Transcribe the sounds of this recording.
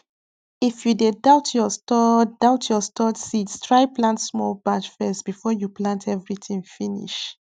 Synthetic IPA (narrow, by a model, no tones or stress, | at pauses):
ifjudedaʊtʰjɔstɔd̥aʊtʰjɔstʰɔtsistɹaɪplãntsmɔlbad͡ʒfɛsb̥ifɔjuplãntʰɛvɹitĩŋfinḭʃ